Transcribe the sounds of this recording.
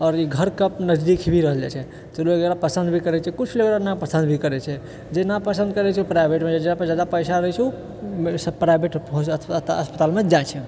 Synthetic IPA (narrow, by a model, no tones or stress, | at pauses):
ɔːɾiɡʱəɾkəpnəd͡ʒd̪ikʰibʱiɾəɦəld͡ʒa̰t͡ʃʰɛ | t̪ɔloɡeɾapəsənd̪bʱikəɾɛt͡ʃʰɛkut͡ʃʰloɡeɾanapəsə̃nd̪bʱikəɾɛt͡ʃʰɛ | d͡ʒenapəsə̃nd̪̚kəɾɛt͡ʃʰɛupɾajbʱeʈmed͡ʒad͡ʒenapəd͡ʒad̪apəjsaɾəɦɛt͡ʃʰu | mspɾajbeʈpɦõəspət̪almed͡ʒajt͡ʃʰɛ